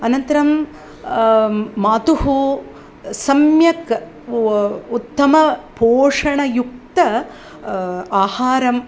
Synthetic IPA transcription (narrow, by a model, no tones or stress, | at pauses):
ɐnɐnt̪ɐɾɐm | maːt̪uɦu | sɐmjɐk | ut̪ːɐmɐpoːʂɐɳɐjuk̚t̪ɐ | aːhaːɾɐm